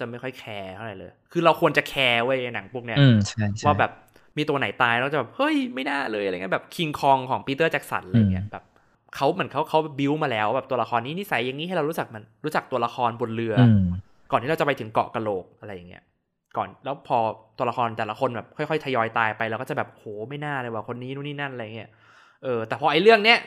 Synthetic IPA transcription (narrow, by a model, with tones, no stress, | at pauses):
t͡ɕa˨˩ma˥˩jkxɔ˥˩jkʰɛː˧t̪ʰa˥˩ɾa˨˦jlɤː˧jkʰɯː˧ɾa˧wkʰu˧ənt͡ɕa˨˩kʰɛː˧ʔu˥˩əja˧na˩˦ŋpʰu˧˩əkni˦˥ɐ˧t͡ɕʰa˥˩jwaː˥˩bɛː˨˩p̚ | miː˧t̪u˧ɐna˩˦jt̪aː˧ja˨˩bɛː˨˩p̚hɤ˦˥˩jma˥˩jnaː˥˩lɤː˧jʔi˦˥˩bɛː˨˩p̚kʰi˧ŋkʰɔː˧ŋkʰɔː˩˦ŋpiː˧˥t̪ɤː˥˩t͡ɕɛ˦˥k̚sa̰˩˦nla˧ja˨ŋi˦˥əbɛː˨˩p̚ | kʰa˦˥wmɯ˩˦nkʰa˦˥wkʰa˦˥wbɛ˨˩p̚bi˧˥wmaː˧lɛː˦˥wbɛː˨˩t̪u˧ɐla˧xʰɔː˧nːiː˦˥˩ni˦˥sa˩˦jːa˨ŋiː˧˦˥ɾa˧wɾuː˦˥t͡ɕa˨˩k̚maː˧nɾu˦˥t͡ɕa˨˩k̚t̪u˧ɐla˧xʰɔː˧nbo˧nlɯ˧ɐ | kɔː˨˩nʰiː˥˩˧t͡ɕa˨˩pa˧jt̪ʰɯ˩˦ŋkɔ̰˨ʔka˧loː˨˩k̚ʔa˧ɾa˧jːa˨˩ŋːi˦˥ɐ | kɔ̰ː˨˩nlɛː˦˥wpʰɔː˧t̪u˧ɐla˧xʰɔː˧nt̪ɛː˨˩la˦˥kʰo˧nbɛː˨˩p̚kʰɔ˥˩jxʰɔ˥˩jt̪ʰa˧jɔː˧jt̪aː˧jpa˧jlɛ˧wkɔː˥˩t͡ɕa˨˩bɛː˨˩pʔo˧hoː˩˦ma˥˩jnaː˥˩lɤː˧jwaː˨˩kʰo˧nːiː˦˥nuː˦˥˩niː˥˩na˥˩nʔa˧ɾjːa˨˩ŋːi˦˥ɐ | ʔɤː˧t̪ɛː˨˩pʰɔː˧ʔa˧jlɯ˥˩əŋni˦˥ɐʔ